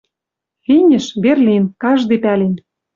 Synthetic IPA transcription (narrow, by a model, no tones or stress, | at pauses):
linʲɘ̆ʃβerlinkɑʒd̪epælen